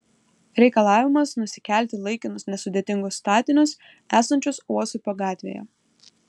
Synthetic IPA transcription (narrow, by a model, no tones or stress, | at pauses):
ɾʲɛɪkɐlˠɑːʋʲɪmɐsnʊsʲɪ̥kʲæˑlʲt̪ʲɪlˠɐɪkʲɪnʊsnʲɛsʊd̪ʲeːt̪ʲɪŋɡʊsːt̪ɑːt̪ʲɪnʲʊs | æːsɐnʲt͡ʃʲʊsuɔsʊpɐɡɑːt̪ʲʋʲḛːjɛ̰